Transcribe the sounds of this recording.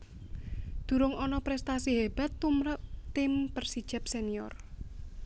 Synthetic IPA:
d̪̥ṳɾʊŋɔnɔpɾɛst̪asiɦeb̥a̤t̪ːumɾət̪̚t̪ɪmpərsid̥ʒ̥ɛ̤p̚seniɔ̰r

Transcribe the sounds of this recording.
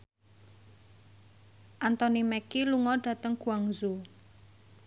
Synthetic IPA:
ʔant̪ɔnimɛkiluŋɔɖ̥ä̤t̪əŋkuwaŋzu

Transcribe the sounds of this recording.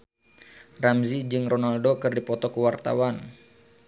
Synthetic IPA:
ramzid͡ʒɨŋronaldokɨrdipɔt̪ɔkuwart̪a̰wan

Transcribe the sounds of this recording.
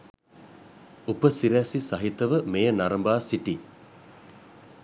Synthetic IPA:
upəsiɾɛsisɐɦit̪ɐʋəmejənaɾɐmbaːsiʈi

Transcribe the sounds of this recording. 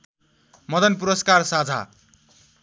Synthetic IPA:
mʌd̪ʌnpuɾʌskarsad͡zʱa̰

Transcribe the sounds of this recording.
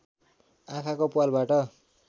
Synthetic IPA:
akʰakopualbaʈʌ

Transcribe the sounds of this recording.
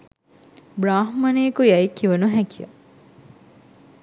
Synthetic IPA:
bɾaːɦmɐneːkujæjkːiʋɐnuɦækijə̰

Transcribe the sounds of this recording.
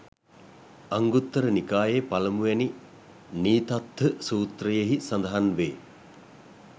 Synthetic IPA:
aŋɡut̪ːəɾənikaːjepaləmujɛni | niːt̪at̪ːəsuːt̪rəjeɦisand̪ɐɦanʋeː

